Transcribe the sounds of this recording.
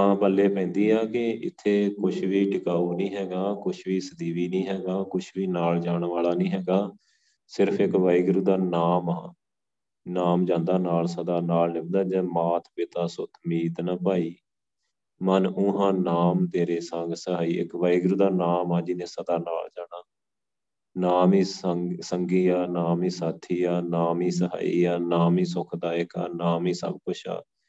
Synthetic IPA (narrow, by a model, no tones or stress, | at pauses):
mãːpəlːeːpɛ̃ːnd̪iːaːkɪɪ̰t̪ʰːeːkʊʃʰʋiːʈɪkaːuːnĩːɦɛːɡaːkʊʃʰʋiːsəd̪iːʋiːnĩːɦɛːɡaːkʊt͡ʃʰʋiːnaːld͡ʒaːɽʋaːlaːnĩːɦɛːɡaː | sɪɾpʰɪkʋaːiɡɾuːd̪aːnaːmaː | naːmd͡ʒãːnd̪aːnaːlsəd̪aːnaːlnɪmd̪aːd͡ʒɛ̃ːmaːt̪ʰpɪt̪aːsʊt̪ʰmiːd̪naːpaːiː | mənʊ̃ɦãːnaːmt̪eːɾeːsə̃ŋɡsəɦaːiːɪ̰kʋaːiɡɾuːd̪aːnaːmaːd͡ʒɪnẽːsəd̪aːna̰ːld͡ʒaːnaː | naːmiːssəŋɡiːaːnaːmĩːsaːt̪ʰːiːaːnaːmiːsəɦa̰ːḭːaːnaːmiːsʊkʰd̪aːɪka̰ːnaːmiːsə̰b̚kʊt͡ʃʰa̰ː